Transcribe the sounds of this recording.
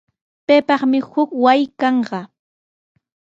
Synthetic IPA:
pejpɑχmɪhʊkwajkɑɴɢɑ

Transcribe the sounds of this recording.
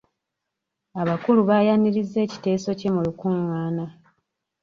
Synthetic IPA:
aβakuluβajaniɾizːe̞ːci̥te̞ːso̞ce̞mulukuŋwaːna

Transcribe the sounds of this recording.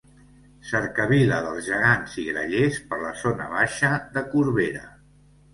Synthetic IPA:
səɾkəβiləðəlˠzʒəɣanziɣɾə̰ʎespəɾləzonə̰β̞aʃəðəkuɾβeɾə̰

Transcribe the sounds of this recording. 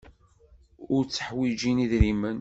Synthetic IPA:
ʊɾt͡sːə̥ħwid͡ʒiniðɾimən

